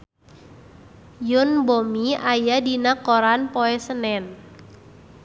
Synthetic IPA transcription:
jʊnbomiajadinakoɾanpɔɛsənɛn

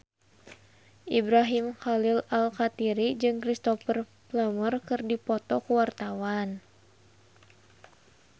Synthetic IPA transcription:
ʔibɾaɦimxalilalkat̪iɾid͡ʒɨŋkɾist̪ɔfər | pləmərkɨrdipɔt̪ɔkuwart̪awan

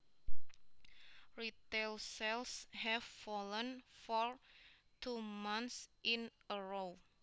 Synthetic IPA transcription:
rit̪elsɛlshɛfːɔlɔ̃nfɔɹ | t̪ʰumãnsʔinəɹow

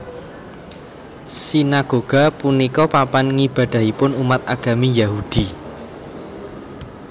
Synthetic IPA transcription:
sinaɡ̥oɡ̥a̤punikɔpapanŋib̥ä̤d̥a̤hipʊnumat̪̚a̰ɡ̥a̤mijahud̥i

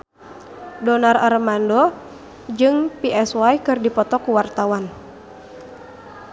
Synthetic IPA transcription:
dɔnararmandɔ | d͡ʒɨŋpiʔɛswajkɨrdipɔt̪ɔkuwart̪awan

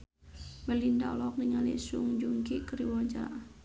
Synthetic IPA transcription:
mɛlinda̰lɔk̚niŋalḭʔsuŋd͡ʒuŋɡikəɾiwɔɲd͡ʒa̰ʔ

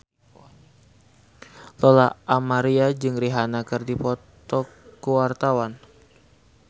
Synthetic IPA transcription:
lɔlaʔamaɾiad͡ʒɨŋriɦanakɨrdipɔt̪ɔkuwart̪awan

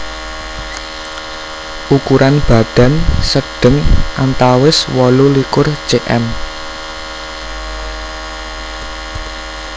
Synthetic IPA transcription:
ʔukuɾʔanb̥a̤ɖ̪̥ä̤nsəɖ̥ə̤ŋʔant̪awɪswɔlulikʊr̥ʒ̥eʔɛ̰m

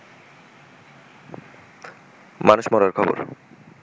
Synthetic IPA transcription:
manuʃmɔɾaɾkʰɔbo̰ɾ

